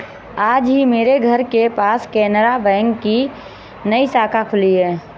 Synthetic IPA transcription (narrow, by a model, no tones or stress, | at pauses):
aːd͡ʒɦimeːɾeɡʱəɾkepaːskɛːnɾabɛ̃ːŋɡki | nəisaːkʰakʰʊliɦɛː